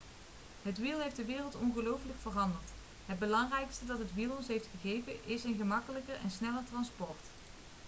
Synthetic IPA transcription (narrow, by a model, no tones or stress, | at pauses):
ɦətʋilˠɦejfdəʋɪːrəlˠtɔnχəlowfələkfərɑndəɹt | ɦəd̚bəlɑŋrɛjkstədɑtɦətʋilˠɔnsɦejftχəχejvəʔɪsənχəmɑkələkərɛ̰nsnɛləɹtrɑnspɔɹt